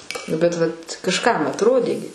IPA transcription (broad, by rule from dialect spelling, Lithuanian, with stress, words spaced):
ˈnʊ bʲɛt ˈʋɐt kɐʃˈkɐm ɐtˈroːdʲeː ɡʲɪ